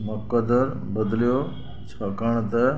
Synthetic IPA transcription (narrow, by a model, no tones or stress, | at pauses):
məkːəd̪əɾ | bəd̪ljo | t͡ɕʰɐkəɳ̃t̪ə